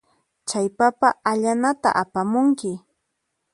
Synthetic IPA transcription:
t͡ʃajpapaʔaʎanat̪a̰ʔapamʊŋkɪ

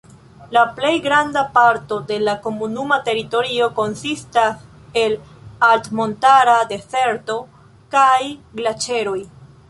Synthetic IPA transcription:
laple̞jɡɾandapaɾto̞de̞lako̞munumate̞ɾito̞ɾio̞ko̞nsistas | e̞l | altmo̞ntaɾade̞fe̞ɾto | kajɡlat͡ʃe̞ɾo̞j

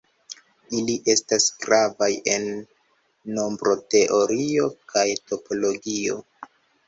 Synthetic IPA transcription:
iliʔe̞stasɡ̥ɾavaje̞nː | o̞mbɾo̞te̞ʔo̞ɾio̞kʰajto̞pʰo̞lo̞ɡio̞̰

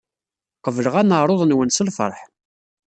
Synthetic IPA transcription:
qəvələʁænəɾˤoðˤnwənsəlfə̰ɾˤħ

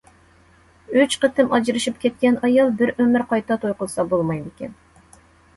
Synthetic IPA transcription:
yt͡ʃqət̪ʰɪmɑd͡ʒɾɨʃipkʲɛt̪̚kʲɛnɑjɑlˠbɪɾømɪɾqʰɑjt̪ɑt̪ʰojqʊlˠsɑbolˠmɑjd̪ɪkʲɛ̰n

